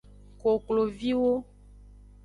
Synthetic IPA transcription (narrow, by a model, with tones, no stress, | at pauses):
ko˨klo˨vi˦wo˦